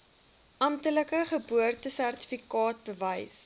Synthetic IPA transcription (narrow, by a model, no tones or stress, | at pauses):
ʔɐmtələkəχəbuərtəsærti̥fikɑːt̚bəvɐjs